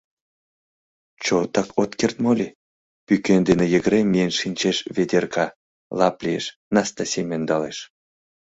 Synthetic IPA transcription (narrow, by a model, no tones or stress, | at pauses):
t͡ɕot̪ɑkot̪kert̪molʲi | pykend̪enejəɣəɾemʲijenʃinʲt͡ɕeʃβʲed̪ʲerkɑ | lɑplʲieʃ | nɑst̪ɑsʲemʲend̪ɑleʃ